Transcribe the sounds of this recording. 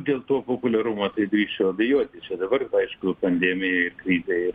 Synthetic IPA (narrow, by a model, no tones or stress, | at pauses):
d̪ʲeːlˠt̪uɔpoːpʊlʲɛɾʊmɐt̪ɐɪɡ̪ɾʲiːʃt͡ʃʊɐbʲɛjuɔt̪ʲɪt͡ʃʲɛd̪ɐbɐrɐɪʃkʊpɐnʲd̪ʲeːmʲɪjɛɪrkɾʲiːzʲɛɪɪ